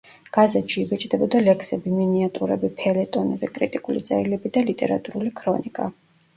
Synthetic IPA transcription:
ɡ̥azɛt̪ʃiːbɛt͡ʃʼd̪ɛbɔd̪alɛkʰsɛbiminiat̪ʼuɾɛbipʰɛlɛt̪ʼɔnɛbɛkʼɾit̪ʼikʼulḭd̪zʼɛɾilɛbid̪alit̪ʼɛɾa̰t̪ʼuɾulikʰɾɔnikʼa

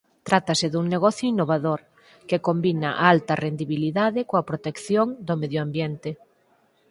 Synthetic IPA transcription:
t̪ɾat̪ɐsɪðuŋneɣɔθjʊinːoβaðoɾ | kekombinɐ̰ʔalt̪ɐrend̪iβiliðaðɪkoɐpɾot̪ekθjoŋd̪omeðjoambjent̪ɪ

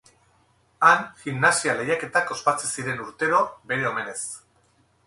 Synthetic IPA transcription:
aŋximnasiale̞jake̞t̪ako̞spat͡sesiɾe̞nuɾt̪e̞ɾo̞be̞ɾe̞o̞me̞ne̞s

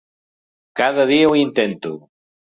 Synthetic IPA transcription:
kaðaðiauint̪ent̪u

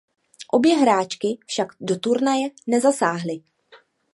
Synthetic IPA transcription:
ʔo̞bjɛɦɾaːt͡ʃkɪfʃaɡdot̪uɾnajɛnɛzasaːɦlɪ

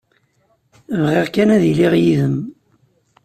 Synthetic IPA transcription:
vʁeʁkænæðiliʁjiðəm

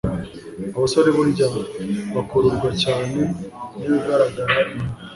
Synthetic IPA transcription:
aβasoɾe̞βuɾiɟamaβakoɾuɾɡwacaːne̞niβiɡaɾaɡaɾaʔime

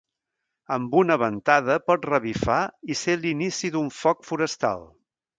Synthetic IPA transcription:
əmbunəβənt̪aðəpɔt̪rəβifaiselinisiðuɱfɔkfuɾəst̪a̰lˠ

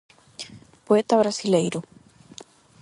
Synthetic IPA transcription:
poet̪aβɾasilejɾu

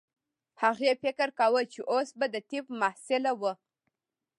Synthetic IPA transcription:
haɣefɪkɾkawət͡ʃeʔosbad̪ət̪ipmahsɪlawə

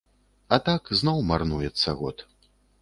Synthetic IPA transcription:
ɐt̪akznɔwmarnujɛt̪sːɐɣɔ̰t̪

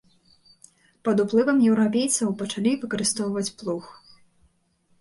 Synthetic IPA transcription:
pɐd̪uplˠɨvɐmjɛwɾapʲejt̪sɐwpɐt͡ʂalʲivɨkɐɾɨst̪ɔwvɐt͡sʲplˠux

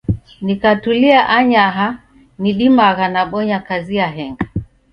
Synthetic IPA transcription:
nikatuliaʔaɲaɦa | niɗimaɣanaɓɔɲakaziaɦɛŋɡa

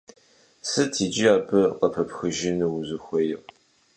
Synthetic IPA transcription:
sɨtʰiːd͡ʒiaːbɨqɐpʰɐpxɨʒɪnɨwʊzɨxʷɐjɪʁ

